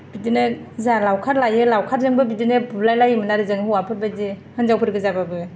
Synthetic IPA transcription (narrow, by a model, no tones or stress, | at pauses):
b̥idinɯzalawkʰaɾlajɯlawkʰaɾzɯŋbɯbidinɯbublajlajɯmɯnaɾɯzɯŋɯwapʰɯbadehɯnzawpʰɯɾɡɯzababɯ